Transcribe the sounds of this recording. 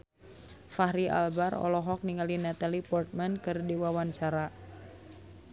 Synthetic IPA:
fahɾia̰lbarɔ̰lɔɦɔk̚niŋalinɛt̪alipɔrt̪̚mɛnkɨrdiwawaɲt͡ʃaɾa

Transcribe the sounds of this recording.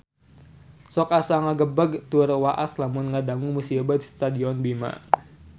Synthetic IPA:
sɔkasaŋaɡəbaɡt̪uɾwaʔa̰slamʊnŋədaŋuŋmusiabadist̪adiɔnbima̰

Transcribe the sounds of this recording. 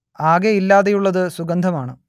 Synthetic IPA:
aːɡeilːaːðejuɭːɐðɨsuɡɐnd̪ʱɐmaːɳɨ

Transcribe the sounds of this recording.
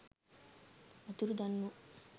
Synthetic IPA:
ɐt̪uɾud̪ɐnːu

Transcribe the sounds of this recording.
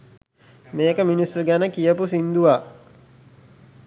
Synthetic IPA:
meːkəminisːuɡænəkijəpusind̪uʋa

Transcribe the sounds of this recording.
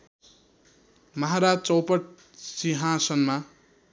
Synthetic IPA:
mʌɦaɾad͡zt͡sʌwpʌʈ̚ | siɦãsʌnma

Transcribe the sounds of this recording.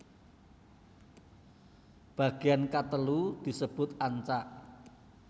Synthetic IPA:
b̥a̤ɡ̥e̤ankat̪əlud̪̥i̤səb̥ʊ̤t̪aɲt͡ʃaʔ

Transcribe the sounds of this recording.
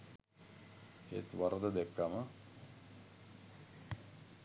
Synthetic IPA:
ḛt̪ʋaɾəd̪əd̪ɛkːamə

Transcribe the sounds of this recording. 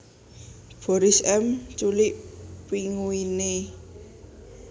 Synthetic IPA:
b̥ɔɾɪsɛmt͡ʃulɪʔpiŋuine

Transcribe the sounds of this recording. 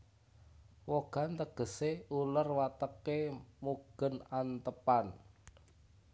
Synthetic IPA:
woɡ̥a̤nt̪əɡ̥ə̤seulərwat̪əkemuɡ̥ə̤nant̪əpan

